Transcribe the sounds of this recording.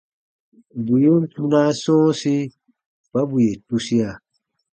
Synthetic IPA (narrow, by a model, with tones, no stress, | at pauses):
bu˨ju˦n˦tu˦na˦sɔ̃ː˦si˦ | ba˦bu˨je˨tu˦si˦a˨